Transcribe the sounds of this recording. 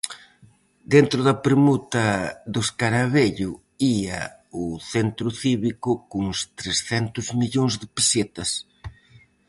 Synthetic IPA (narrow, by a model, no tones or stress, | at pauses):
d̪ent̪ɾʊðɐpɾemut̪ɐðʊskaɾaβeʎʊ | iɐ̰ | ʊθent̪ɾʊθiβikʊkoŋst̪ɾesθɛnt̪ʊzmiʎoŋzðɪpeset̪ɐs